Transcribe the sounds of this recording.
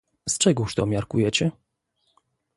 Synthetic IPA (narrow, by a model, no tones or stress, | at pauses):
st͡ʂɛɡɔuʂt̪ɔmʲjaɾkujɛt͡ɕɛ